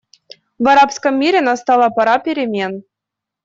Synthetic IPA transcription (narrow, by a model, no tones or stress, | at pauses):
vɑɾɑpskɤ̆mːʲiɾʲenɑst̪ɑlˠɑpɑɾɑpʲeɾʲemʲen